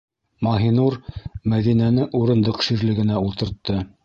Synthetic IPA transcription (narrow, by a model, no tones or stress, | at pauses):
mɑɦinuɾmæðinænɘʔuɾɤ̆nd̪ɤqʃiɾlɘ̆ɡɘ̆næulˠt̪ɤ̆ɾt̪ːɤ